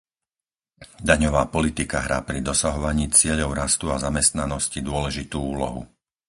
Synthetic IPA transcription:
d̪aɲɔʋaːpɔlit̪ikaɦɾaːpɾid̪ɔsaɦɔʋaɲiːt͡sɪɛʎɔʊɾast̪uazamɛst̪nanɔscid̪ʊɔlɛʒit̪uːuːlɔ̰ɦṵ

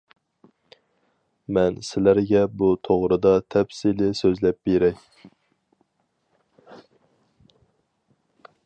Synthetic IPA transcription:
mɛnsɪlæɾɡʲɛbut̪ʰoʁɾɨd̪ɑt̪ʰɛpsilɪsøzlɛp̚beɾɛkʲ

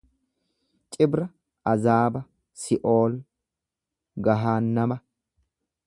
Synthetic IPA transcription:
t͡ʃʼɪbɾɐ | ʔɐzaːbɐ | sɪʔoːl | ɡɐɦaːnːɐmɐ

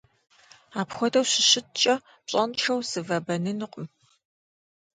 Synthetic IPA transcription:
aːpxʷɔdɐwɕɪɕɪt̚t͡ʃʼɐ | pɕʼɐnʈ͡ʂɐwsɨvɐbɐnɨnɨqʼʊm

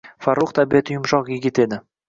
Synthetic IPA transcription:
faɾːuqt̪ʰabiat̪ʰɪjʊmʃɒqjɪɡʲɪt̪e̞d̪ɪ

